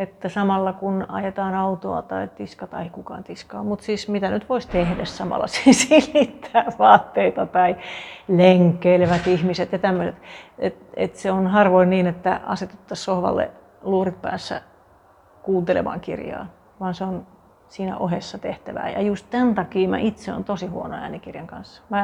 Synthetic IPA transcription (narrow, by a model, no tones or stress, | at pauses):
et̪ːæsɑmɑlːɑkunɑ̰jet̪ɑːnɑut̪oɑ̰t̪ɑit̪iskɑt̪ɑeikukɑ̰ːnt̪iskɑ̰ːmmut̪siːsmit̪ænyt̪ʋoist̪ehdæssɑmɑ̰lːɑ̰sisilit̪ʰːæːʋɑːt̪ːeit̪ɑt̪ɑileŋkːeileʋæt̪ihmiset̪jɑt̪æmːøset̪et̪ḛt̪seonhɑrʋoinniːnet̪ːæɑ̰set̪u̥t̪ːɑssohʋɑ̰lːḛ | luːrit̪̚pæ̰ːsːæ̰ | kuːnt̪elḛʋɑ̰ːŋkḭrjɑ̰ː | ʋɑːnseon | siːnæ̰ʔohesːɑt̪eht̪æʋæ̰ːjɑ̰just̪t̪ænt̪ɑkiːmæ̰ʔit̪seo̰nt̪osihuono̰æ̰ːnikirjɑŋkɑ̰nsːɑ̥mæ